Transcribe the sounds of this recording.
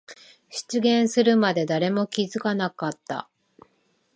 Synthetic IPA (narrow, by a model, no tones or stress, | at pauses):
ɕi̥t͡sɨɡẽ̞ɰ̃sɨɾɯ̟mad̪e̞d̪aɾe̞mo̞kʲizɨkanakat̪ːa̰